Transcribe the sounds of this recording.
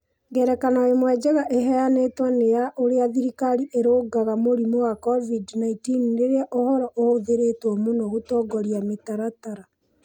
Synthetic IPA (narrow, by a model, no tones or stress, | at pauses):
ɡɛɾɛkanaemwɛd͡ʑɛɣaʔeɦɛanetwanejaʔoɾeaðiɾikaɾiʔeɾoːɡaɣamoɾimowakɔvidnaitinɾeɾeaʔohɔɾɔʔohoðeɾetwɔmonoɣotɔːɡɔɾjametaɾataɾa